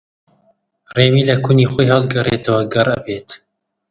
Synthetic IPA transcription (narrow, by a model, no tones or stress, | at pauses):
reːmiːlɐkʰuniːχoːjɦɑlˠd̪̚ɡɐret̪ʰɐwɐɡɐrʔɐ̰beːt̪